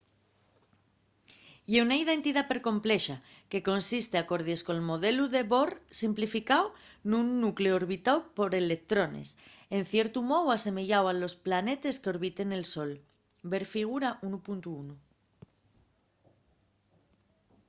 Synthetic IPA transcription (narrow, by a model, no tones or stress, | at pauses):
jeunaið̞e̞nt̪iðape̞ɾko̞mple̞ʃa | ke̞ko̞nsist̪eako̞ɾð̞jeskoelmo̞ð̞e̞luðe̞βo̞ɾsimplifikawnũnːukleooɾβit̪awpo̞ɾe̞lek̚t̪ɾo̞nḛse̞nθje̞ɾt̪umo̞ðwase̞me̞ʝawalo̞splane̞t̪e̞skeo̞ɾβit̪e̞ne̞lso̞l | be̞ɾfiɣ̞uɾaʔunupunt̪uunu